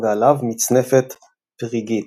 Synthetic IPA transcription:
dalavmit͡sne̞fet̪ | b̥ʁiɡit̪

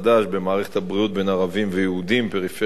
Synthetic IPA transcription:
d̪aʃbe̞maːʁe̞χet̪habʁiut̪̚be̞naʁavimvejeud̪impeʁife

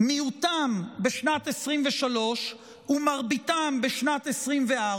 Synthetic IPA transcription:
miutambeʃnatesʁimveʃalo̞ʃ | umaʁbit̪ambeʃnatesʁimvea

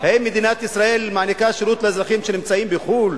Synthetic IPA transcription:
hemːed̪inat̪isʁae̞lmaʕanikaʃeɾut̪lezʁaχimʃenimt͡saimbeχul

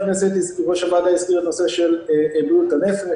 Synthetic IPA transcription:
neset̪izkiʁoʃavad̪aiskiʁet̪noseʃelbut̪anef

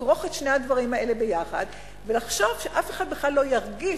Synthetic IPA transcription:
ʁo̞χetʃnehad̪vaʁimaʔe̞lebe̞jaχa̰d̪ | velaχʃo̞v̥ʃeʔafeχad̪̚beχlalːo̞jaʁɡi

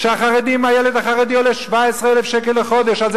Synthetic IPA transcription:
ʃeaχaʁed̪imajeled̪aχaʁed̪ijoleʃvaesʁeelefʃekelːeχo̞d̪eʃalz

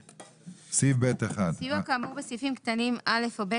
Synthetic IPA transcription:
sifbet̪eχadsijuakaːmubesifimkt̪animʔalefobe

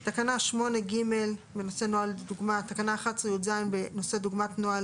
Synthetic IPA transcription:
t̪akanaʃmo̞ne̞ɡimelbeno̞se̞noalduɡmat̪akanaːχatsijuzainbe̞no̞se̞duɡmatnoal

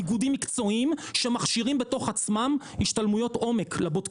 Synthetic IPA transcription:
ɡudimːikt͡so̞imʃe̞maχʃiʁimbe̞to̞χat͡smam | iʃtalmujo̞to̞me̞kʰlebot

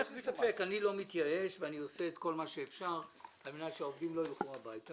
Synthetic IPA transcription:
esafe̞kanilo̞mit̪jae̞ʃveaniose̞ːt̪ko̞lmaʃeːfʃaʁalmenaʃeaovdimlo̞lχumabajta

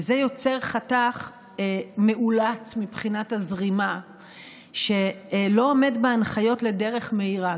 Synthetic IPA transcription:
zejo̞t͡se̞ʁχataχ | me̞ʔulat͡smipχinatazʁima | ʃe̞lo̞ome̞dbeanχajo̞tle̞de̞ʁe̞χme̞iʁa

